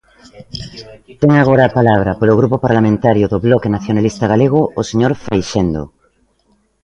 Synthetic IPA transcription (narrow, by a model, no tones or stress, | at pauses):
t̪eŋaɣ̞oɾaːpalaβ̞ɾapoloɣɾupopaɾlamẽnt̪aɾjoðoβlɔkenaθjonalist̪aɣaleɣ̞oːseɲoɾfejʃend̪o̰